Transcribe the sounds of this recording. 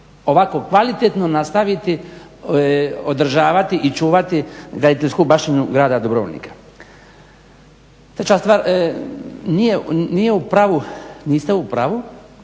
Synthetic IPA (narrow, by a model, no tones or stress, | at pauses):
o̞ʋakokʋalit̪et̪no̞nast̪aʋit̪i | od̪ɾr̩ʒaːʋat̪iʔit͡ʃuːʋat̪iɡɾad̪it̪eʎʲskubaʃt̪inuɡɾaːd̪ad̪obɾoʋo̰lnḭkḁ | t̪ɾet͡ʃaːst̪ʋaːɾ | nijenijeupɾaʋuniːst̪eupɾaʋu